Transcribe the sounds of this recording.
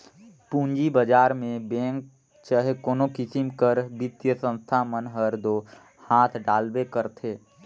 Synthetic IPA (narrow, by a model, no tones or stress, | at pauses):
pũːɲd͡ʒibəd͡ʒaːɾmẽbɛ̃ːŋk̚ | t͡ʃəɦekoːnokɪsɪmkəɾbɪt̪jəsə̃nst̪ʰamənɦəɾd̪oː | haːt̪ʰɖaːlbekəɾt̪ʰeː